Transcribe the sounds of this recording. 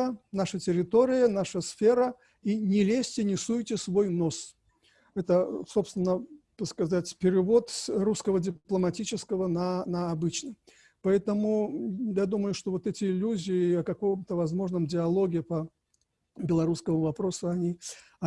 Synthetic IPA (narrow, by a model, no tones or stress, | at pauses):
ənaʂətʲɪɾʲɪt̪o̞ɾʲɪjənaʂəsfʲe̞ɾə | inʲɪlʲesʲtʲɪnʲɪsujtʲɪsvo̞jno̞s | ɛt̪əso̞pst̪vʲɪnːət̪əskɐzatʲpʲɪɾʲɪvo̞t̪ɾuskəvədʲɪplˠəmɐtʲit͡ɕɪskəvənɐnɐːbɨt͡ɕnə | pɐɛt̪əmʊjad̪uməjʊʂt̪ovo̞t̪ɛtʲɪɪlʲːuzʲɪɪɐkɐkomt̪əvɐzmo̞ʐnəmdʲɪɐlˠoɡʲɪpə | bʲɪlˠɐɾuskəmʊvɐpɾo̞sʊɐnʲi | ɐ